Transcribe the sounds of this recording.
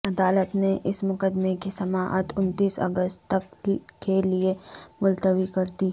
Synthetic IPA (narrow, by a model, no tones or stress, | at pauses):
ɐd̪aːlət̪neʔɪsmʊkəd̪mekisɐmaːʔə̰t̪ʰʊnt̪iːsɐ̰ɡəst̪t̪ɐkːeliemʊlt̪əʋikɐɾd̪iː